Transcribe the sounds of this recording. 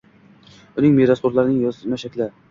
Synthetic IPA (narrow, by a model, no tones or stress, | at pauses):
ʊnɪŋmeɾaspoɾlˠaɾɪnɪŋjɒzmaʃakʲlɪ